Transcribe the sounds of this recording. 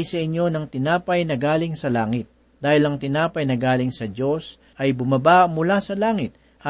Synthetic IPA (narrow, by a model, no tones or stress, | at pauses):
jsɐʔɪɲːo̞nɐŋt̪ɪnaːpɐjnɐɡaːlɪŋsɐlaːŋɪt̪̚ | d̪̥aːhɪlɐŋt̪ɪnaːpɐjnɐɡaːlɪŋsɐd͡ʒo̞s | ʔɐjbʊmɐbamʊlasɐlaːŋɪt̪̚